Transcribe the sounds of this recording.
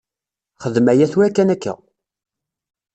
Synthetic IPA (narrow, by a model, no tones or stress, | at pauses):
χəðmæjæθwækːænækːæ̰